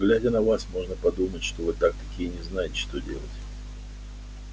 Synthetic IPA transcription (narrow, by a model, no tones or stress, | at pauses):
ɡlʲædʲənɐvasmo̞ʐnəpɐd̪umətʲʂt̪ovɨt̪ak̚t̪ɐkʲijənʲɪznajɪtʲɪ̥ʂt̪o̞dʲḛlˠə̰tʲ